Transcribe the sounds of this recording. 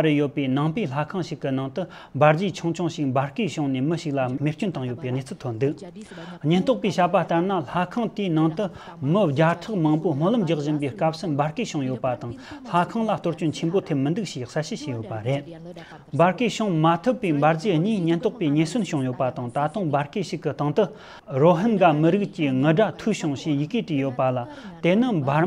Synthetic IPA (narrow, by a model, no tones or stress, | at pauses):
ɾəjolpinaŋpiɬakʰaŋɕəkːənaŋt̪ə | mbarɦd͡ʑit͡ɕʰoŋt͡ɕʰoŋɕək̚mbarhkiɕoŋniməɕək̚lameht͡ɕont̪aŋjolpiɦnet͡sʰəlt̪ʰop̚nd̪ək̚ɦɲənht̪oχpiɕapaht̪arnaɬakʰaŋt̪inaŋt̪ə | məɦd͡ʑaʈ͡ʂʰaχmaŋpom̥olamɦd͡ʑaχʑənpihkap̚sʰəmbarhkiɕoŋjolpat̪aŋɬakʰaŋlaht̪orht͡ɕont͡ɕʰenpon̥t̪ʰep̚mənd̪ək̚ɕiχsalɕəɕejolpaɾel | mbarkiɕoŋmat̪ʰəpːimbard͡ziɦɲiɦɲənht̪oχpiɦɲesonɕoŋjolpat̪aŋt̪at̪oŋmbarkiɕəkːəht̪aŋt̪ə | roɦənɡaməɾək̚t͡ɕəŋəɦɖ͡ʐan̥t̪ʰuɕoŋɕijəkiʈ͡ʂijolpalat̪enəmba